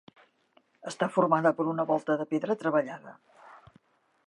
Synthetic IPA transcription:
əst̪afurmaðəpəɾunəβɔlˠt̪əðəpeðɾət̪ɾəβəʎaðə̰

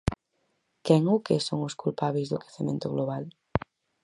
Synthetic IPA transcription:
kɛŋukesoŋoskulpaβejzðokɾeθemẽnt̪oɣloβ̞al

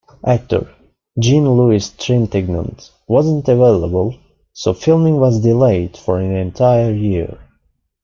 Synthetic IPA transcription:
ʔæk̚tʰə̰˞ | d͡ʒĩnluɪstʰɹɛ̃ntɛɡ̚nə̰̃nt | wʌzə̃ntəveɪlˠəbəlˠ | soʊfɪlˠmɪ̃ŋwʌzdɪleɪd̥fɔɹæ̃nɛ̃ntʰaɪə˞jiɹ

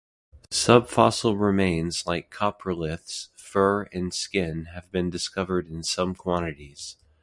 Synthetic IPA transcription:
sʌb̥fɑsl̩ˠɹɪmẽɪ̃nzlaɪkʰɑpʰəlɪθsfɜ˞ɨ̃nskɪ̃nɨvbɨ̃ndɨskʌvə˞ɾɨ̃nsʌ̃mkʰw̥ɑ̃ɾ̃ɨɾiz̥

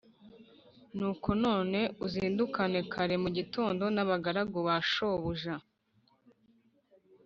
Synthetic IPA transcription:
nuːko̞noːne̞uziːndukane̞kʰaɾe̞muɟito̞ːndo̞naβaɡaɾaɡoβaʃo̞βuʒa

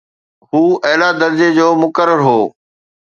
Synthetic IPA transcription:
huːɐɦɪlad̪ɐɾd͡ʑed͡ʑoːmʊkəɾəɾɦoː

